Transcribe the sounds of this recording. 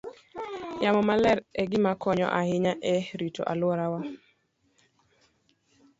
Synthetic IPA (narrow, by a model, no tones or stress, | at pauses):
jamɔmalɛɾɛɡɪmakʰɔɲɔ̰ʔahɪɲaʔɛɾitʰɔ̰ʔalwɔɾawa